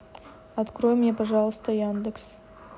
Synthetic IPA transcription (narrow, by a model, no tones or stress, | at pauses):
at̪kro̞jmʲnʲepaʒɑlˠəst̪əjand̪eks